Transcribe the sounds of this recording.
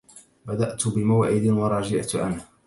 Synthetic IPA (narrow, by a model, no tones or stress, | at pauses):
bad̪aʔt̪bɪmawaʕʔɪd̪ɪnwɑɾˤɑd͡ʒaʕt̪ʔa̰nh